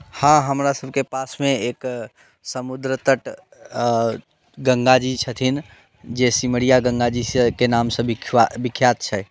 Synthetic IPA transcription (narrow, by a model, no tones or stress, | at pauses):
hãɦəmɾasəb̚ʱkepasmeek | səmud̪ɾət̪əʈ | ɡəŋɡad͡ʒit͡ʃʰət̪ʰin | d͡ʒesiməɽijaɡə̃ŋɡad͡ʒikenamsə̃bikʰbikʰjat̪̚t͡ʃʰɛ